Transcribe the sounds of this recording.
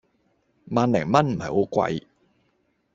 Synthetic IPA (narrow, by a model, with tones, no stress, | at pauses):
maː˧nlɛ˨˩ŋmɐ˥nm̩˨˩hɐ̰˨˩jho˨˥kʷa̰˧j